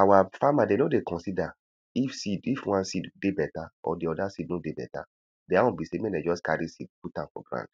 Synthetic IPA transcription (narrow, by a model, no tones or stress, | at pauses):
awafamadenodekʰɔ̃nsida | ifsidifwãnsiddebɛtaɔ̰diɔdasidnodebɛ̰ta̰ | deawɔ̃bisemɛ̃nad͡ʒɔskaɾisid̚kutãnfɔ̰ɡɾã̰nd̥